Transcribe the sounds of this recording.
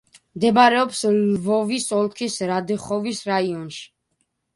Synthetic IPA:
md̪ɛbaɾɛɔpslvɔvisɔlˠkʰisɾad̪ɛχɔvisɾaiɔnʃi̥

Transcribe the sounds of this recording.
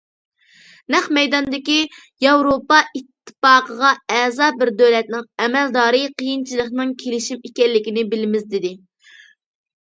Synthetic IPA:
nɛχmɛjd̪ɑnd̪ɪkʲi | jɑwɾopɑit̪ʰːɨ̥pɑːqʰəʁɑɛːzɑːbɪɾd̪øwlɛt̪̚nɪŋɛmɛld̪ɑːɾɨqʰijint͡ʃʰilˠəχnɨŋkʲʰelɪʃimekʲɛlːɪkʲinɪbɪlɪmɪzd̪ɪd̪ɪ

